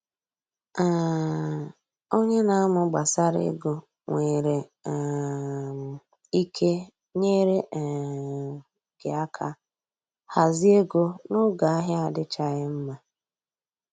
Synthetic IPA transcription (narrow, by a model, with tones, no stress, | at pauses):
a˨ | o˦ɲe˦na˦a˦mʊ˨ɡ͡ba˨sa˦ɾḛ˦ɡo˨ | ŋʷe˨ɾe˨ | m˨ | i˦kʰe˦ | ɲe˦ɾe˦ʔ | ɡ̥ɪ˨a˦kʰa̰˦ | ha˨zi˦e˦ɡo˦nʊ˦ɡa˨a˦ɦɪ˦a˨dɪ˦t͡ʃa˦ɣɪ˦m̩˦ma˦